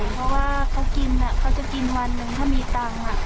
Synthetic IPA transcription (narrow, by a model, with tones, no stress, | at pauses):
jpʰɔ˧˥waː˥˩kʰa˧˥wki˧nʔa˨˩kʰa˦˥wt͡ɕa˨˩ki˧nwa˧nːɯ˧ŋt̪ʰaː˥˩miː˧˩t̪aː˧ŋa˨˩